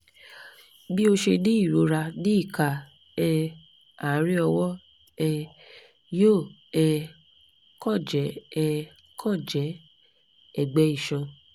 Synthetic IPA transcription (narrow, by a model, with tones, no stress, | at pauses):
bi˦o˧ʃe˧dĩ˦i˦˨ɾo˨˦ɾa˧dĩ˦i˦˨ka˨ | ɛ˧ | a˨˦ɾi˦ɔ˧wɔ˦ | ɛ˧ | jo˦˨ɛ˧ | kɔ˦˨d͡ʒɛ˨˦ɛ˧ | kʰɔ˦˨d͡ʒɛ˨˦ | ɛ˦˨ɡ͡bɛ˨˦i˦˨ʃɔ̃˧